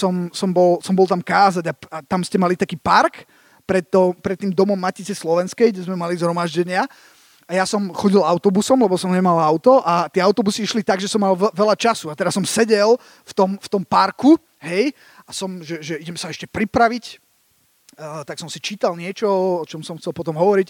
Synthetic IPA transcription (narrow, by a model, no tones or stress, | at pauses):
sɔmsɔmbɔlsɔmbɔlˠt̪amkaːzaɟaat̪amscɛmalit̪akiːpaɾk | pɾɛt̪ːɔpɾɛt̪ːiːmd̪ɔmɔmːacit͡sɛslɔʋɛnskɛjɡɟɛzmɛmalizɦɾɔmaʒɟɛɲɪa | ajasɔmxɔɟilaʊt̪ɔbusɔmlɛbɔsɔmɲɛmalaʊt̪ɔʔat̪ɪɛaʊt̪ɔbusiiʃlit̪aɡʒɛsɔmːalʋɛlat͡ʃasuat̪ɛɾasɔmsɛɟɛl | ft̪ɔmft̪ɔmpaɾku | ɦɛj | asɔmʒɛʒɛiɟɛmsaɛʃcɛpɾipɾaʋic | t̪aksɔmsit͡ʃiːt̪alɲɪɛt͡ʃɔɔɔt͡ʃɔmsɔmxt͡sɛlpɔt̪ɔmɦɔʋɔɾic